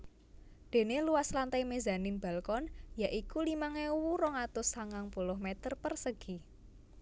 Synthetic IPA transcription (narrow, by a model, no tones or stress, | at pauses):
d̪̥e̤neluwaslant̪ajmeza̤nɪnb̥a̤lkɔnjaʔikulimaŋewuɾɔŋat̪ʊsaŋaŋpulʊɦmet̪ərpərsəɡ̥i